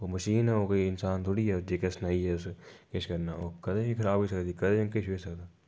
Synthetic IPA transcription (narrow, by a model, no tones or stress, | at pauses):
omɐʃiːnɦɛokɐiɪnsaːnt̪ʰoːɽiɦɛd͡ʒeːkɐsnaiɦɛʊskɪʃkɐɾnaoːkɐd̪ẽbikʰɐɾaːbisɐkd̪ikɐd̪ẽkɪt͡ʃʰʋisɐkd̪aː